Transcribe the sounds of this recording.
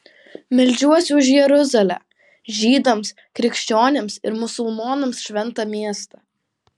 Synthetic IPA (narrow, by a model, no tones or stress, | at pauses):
mʲɪlʲd͡ʒʲuɔsʲʊʊɪʃ̬jɛɾʊzɐlʲæ̰ː | ʒʲiːd̪ɐms | kɾʲɪkʃʲt͡ʃʲoːnʲeːmsɪ̰ɾmʊsʊlˠmoːnɐmsʃʲʋʲɛnt̪ɐmʲiɛst̪ɑ